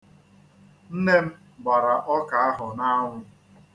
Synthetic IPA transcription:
n̩˦ne˦m̩˦ | ɡ͡ba˨ɾa˨ʔɔ˦ka˨a˦ɦʊ˨na˦ŋʷʊ˦

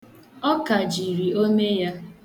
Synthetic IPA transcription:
ɔ˦ka˨d͡ʒi˨ɾi˨o˦me˦ja˦

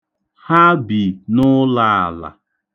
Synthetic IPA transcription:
ha˦bi˨nʊ˦la˦a˨la̰˨

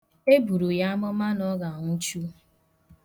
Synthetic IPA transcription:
e˦bu˨ɾu˨ja˦a˦mɔ˦ma˦nɔ˦ɡa˨ŋʷu˦t͡ʃu˦

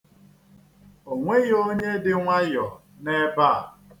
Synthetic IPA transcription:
o˨ŋʷe˦jo˦ɲe˦dɪ˦ŋʷa˦jɔ˨ | ne˦ba˦˨

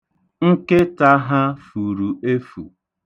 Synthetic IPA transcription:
ŋ̩˦ke˦ta˦ɦa˦fu˨ɾu˨e˦fṵ˨

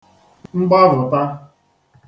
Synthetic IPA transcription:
ŋ͡mŋ͡m̩˦ɡ͡bɔ˦vʊ˨ta˦

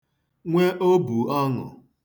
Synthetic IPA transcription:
ŋʷe˦ʔo˦bu˨ɔ˦ŋʊ̰˨

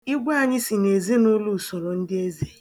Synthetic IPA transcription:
i˦ɡʷa˦a˨ɲɪ˦si˨ne˨ze˦nʊ˦lu˦˨sɔ˨ɾɔ˨n̩˦dɪ˦e˦ze˦

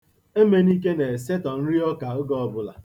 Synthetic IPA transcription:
e˦me˦ni˦k̬e˦ne˨se˦tɔ˨n̩˦ɾi˦ɔ˦ka˨ʊ˦ɡɔ˦ɔ˦bʊ˨la̰˨

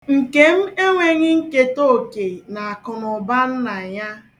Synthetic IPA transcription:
ŋ̩˨ke˨m̩˦e˦ŋʷe˨ŋɪ˦ŋ̩˦ke˦to˦˨ke˨na˨a˨kʊ˨nʊ˨ba˦n̩˦na˨ja˦

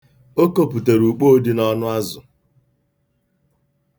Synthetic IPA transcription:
o˦ko˦˨pu˨te˨ɾu˨k͡po˦di˦nɔ˦nʊ˦a˦zʊ˨

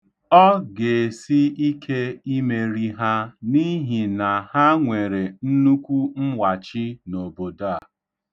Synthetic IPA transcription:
ɔ˦ɡe˨si˦i˦kʰe˦i˦me˨ɾi˦ɦa˦ni˦ɦi˨na˨ha˦ŋʷe˨ɾe˨n̩˦nu˦kʷu˦m̩˦wa˨t͡ʃi˦no˨bo˨da˦a˨

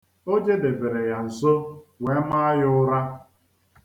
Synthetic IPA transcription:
o˦d͡ʒe˦de˨be˨ɾe˨ja˨n̩˨so˦we˨˦ma˦jʊ˦ʊ˦ɾa˦

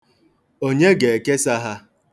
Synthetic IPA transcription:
o˦ɲe˦ɡe˨e˨ke˦sa˦ɦa˦

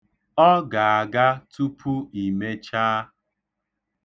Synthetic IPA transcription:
ɔ˦ɡa˨a˨ɡa˦tu˦pʰu˦i˨me˦t͡ʃaː˦

